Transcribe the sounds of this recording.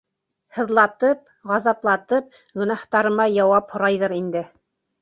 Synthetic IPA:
hɤ̆ðlˠɑt̪ɤp̚ | ʁɑzɑplˠɑt̪ɤp̚ | ɡɵ̆nɑht̪ɑɾɤ̆mɑjɑwɑphŏɾɑjðɤɾind̪ɘ

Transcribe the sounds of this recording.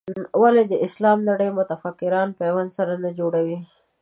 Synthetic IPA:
waled̪əɪslɑmnaɽəjmʊt̪afakːɪɾɑnpewansaɾanad͡ʒoɽawi

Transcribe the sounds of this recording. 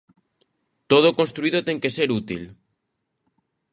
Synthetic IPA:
t̪oð̞okonst̪ɾuið̞ot̪eŋkeseɾut̪ḭl

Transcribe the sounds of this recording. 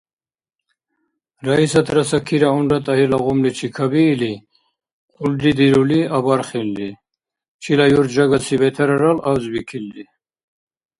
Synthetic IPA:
ɾaisat̪ʰɾasakʰiɾaunɾat̪ʼaɦilaʁumlit͡ʃʰikʰabiːli | qʼuld̪id̪iɾuliabaɾχilːi | t͡ʃʰilajuɾd͡ʒaɡasʰivɛt̪ʰɛɾaɾalawzbikʰilːi

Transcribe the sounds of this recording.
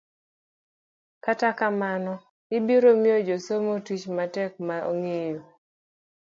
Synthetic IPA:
katakamanɔ | ɪbiɾomiod͡ʒosomotit͡ʃmatɛk̚mao̰ŋejo

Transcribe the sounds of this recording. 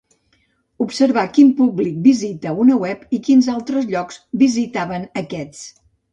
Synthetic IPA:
upsəɾβakimpublik̚bizit̪əunəwɛpikinzalˠt̪ɾəzʎɔkz̥bizit̪aβənəkɛt͡s

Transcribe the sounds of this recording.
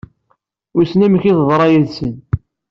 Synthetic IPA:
ʊɾsnæmçiððˤɾˤɑjæðsən

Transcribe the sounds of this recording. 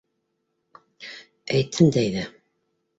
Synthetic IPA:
æjt̪ʰːɘnd̪æjðæ

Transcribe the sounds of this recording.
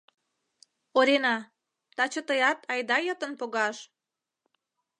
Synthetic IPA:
oɾenɑ | t̪ɑt͡ɕə̆t̪əjɑt̪ʰɑjd̪ɑjət̪ə̆npoɣɑʃ

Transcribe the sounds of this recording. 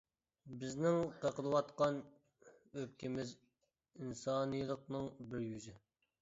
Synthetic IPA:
bɪznɪŋqʰəqəlˠəwɑt̪qɑn | øp̚kʲʰɪmɪz | insɑnɨjlˠəqnɨŋbɪɾjyzɪ

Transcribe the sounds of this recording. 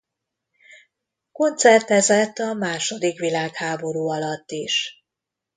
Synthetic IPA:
ko̞nt̪sɛrt̪ɛzɛt̪ːɒmaːʃo̞d̪ikʋilaːkhaːbo̞ɾuːɒlɒt̪ːiʃ

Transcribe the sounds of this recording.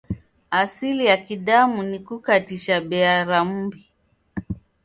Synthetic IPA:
asilijakiɗamunikukatiʃaɓɛaɾam̩bi

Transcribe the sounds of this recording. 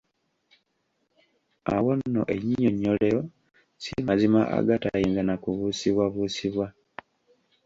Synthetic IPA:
a̰wonːo̰ʔeɲiɲoɲːoleo | simazimaʔa̰ɡatajiːnzanakuβuːsiβwaβuːsiβwa

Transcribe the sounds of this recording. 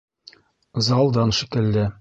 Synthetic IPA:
zɑlˠd̪ɑnʃĭkɘ̆lːæ

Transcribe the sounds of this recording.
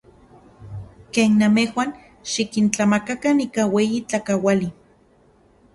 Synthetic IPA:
keːnːamehwan | ʃikint͡ɬamakakaniːkaweːjit͡ɬakawali

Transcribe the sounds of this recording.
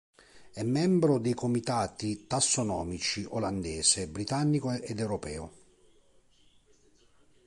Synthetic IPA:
ɛmːɛmbɾod̪ɛjkomit̪aːt̪it̪asːonɔːmit͡ʃiʔoland̪ɛːsebɾit̪anːikoed̪ɛwɾopɛːʊ

